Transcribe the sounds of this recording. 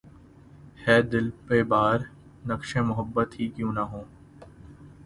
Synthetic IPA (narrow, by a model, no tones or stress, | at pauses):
hɛːd̪ɪlpebaːɾ | nɐkʃẽmʊɦəbːət̪ɦikjũːnɐɦõː